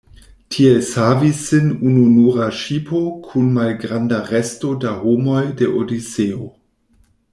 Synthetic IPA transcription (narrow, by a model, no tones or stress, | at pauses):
tʰieshavisɨnununuːʁaʃipʰokʰunmalɡʁandaʁestodahomo̞jdeʔodiseo